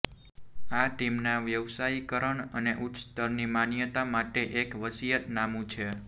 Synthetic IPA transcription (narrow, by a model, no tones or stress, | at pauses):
aʈimnaʋjəʋsaikəɾəɳə̰neʔʊtt̪əɾnimanjət̪amaʈeʔekʋəsijət̪namũt͡ʃʰe